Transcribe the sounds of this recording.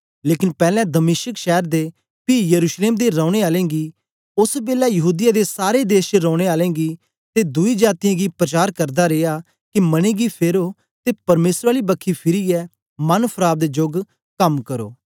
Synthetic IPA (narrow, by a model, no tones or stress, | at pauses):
leːkɪnpɛːlɛ̃ːd̪əmeːʃəkʃɛːɾd̪eː | piːjəɾuːʃleːmd̪eɾɔ̃ːʊɽ̃eːaːlẽːɡiː | ʊsbeːlaːjəɦuːd̪ɪjaːd̪eːsaːɾed̪eːʃt͡ʃɾɔ̃ːɽ̃eːaːlɛ̃ːɡiː | t̪eːd̪ʊid͡ʒaːt̪ijãɡiːpɾət͡ʃaːɾkəɾd̪aːɾeːaː | kimɐɽ̃ẽːɡipʰeːɾoː | t̪eːpɐɾmeːsɾaːlibəkʰːipʰɪɾiɛː | mɐnpʰəɾaːb̚d̪eːd͡ʒʊɡ | kɐmkəɾo̰ː